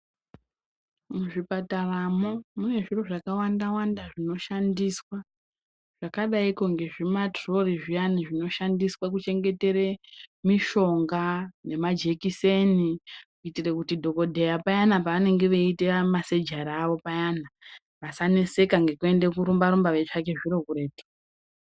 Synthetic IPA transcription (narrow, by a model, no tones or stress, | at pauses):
muʐipataramo̞mune̞ʐiro̞ʐakawandawandaʐino̞ʃandiswa | ʐ̥akaɗaiko̞ŋɡe̞ʐimatro̞riʐijaniʐino̞ʃandiswak̬ut͡ʃe̞ŋɡe̞te̞ɾe̞miʃo̞ŋɡane̞mad͡ʒe̞kise̞nikuitirekutidʱo̞ko̞dʱejapajanapaʋane̞ŋɡe̞ʋeitemase̞d͡ʒaɾaʋo̞pajana | ʋasanese̞kaŋɡe̞kue̞nde̞kuɾumbaɾumbaʋe̞t͡ʂake̞ʐiɾo̞kuɾe̞ːto̥